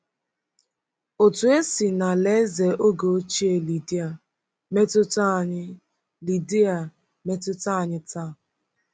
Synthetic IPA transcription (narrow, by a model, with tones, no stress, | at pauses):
o˨tu˨e˦si˨na˨le˦ze˨ʔo˦ɡo˨˦t͡ʃi˦e˨li˨di˦a˨ | me˦tʊ˦ta˦ɲɪ˦ | li˨di˦a˨ | me˦tʊ˦ta˦˨ɲɪ˦ta˦˨